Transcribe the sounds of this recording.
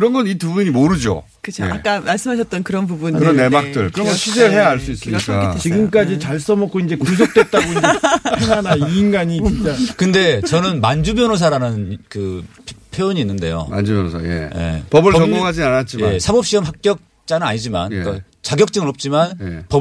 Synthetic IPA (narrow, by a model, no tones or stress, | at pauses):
kɯɾʌnɡʌnitubuɲimoɾɯd͡ʑo̰ | kɯt͡ɕʰoʔa̰k͈amaɭs͈ɯmɦaɕʰʌt̚t͈ʌnkɯɾʌnbubunɯɾʌne̞mak̚t͈ɯɭkɯɾʌŋɡʌɕʰid͡ʑeɾɯɭɦe̞jaɦaɭs͈uis͈ɯɲik͈at͡ɕiɡɯmk͈ad͡ʑit͡ɕaɭs͈ʌmʌkʰːoind͡ʑe̞kus̬ʰok̚t͈wet̚t͈aɡoieeŋanainɡaɲit͡ɕint͡ɕ͈akɯnde̞t͡ɕʌnɯnmand͡ʑubjʌnos̬ʰaɾanɯnnkɯ | pʰjojoɲiːnːɯnde̞̰jo̰ma̰nd͡ʑubjʌnosʰa̰jḛje̞̰pʌbɯɭt͡ɕʌŋɡoŋɦad͡ʑianat̚t͡ɕ͈ijmasʰabʌp̚ɕ͈iʌmɦak̚k͈jʌk̚ | t͡ɕ͈anɯnaɲid͡ʑima̰nk͈a | t͡ɕaɡjʌk̚t͡ɕ͈ɯŋɯɾʌp̚t͡ɕ͈imanjepʌb